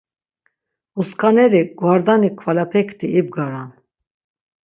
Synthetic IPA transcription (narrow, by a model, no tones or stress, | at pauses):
uskʰanɛɾiɡ̥wvaɾd̪anikʰvalapʰɛkʰt̪ʰiːb̚ɡaɾan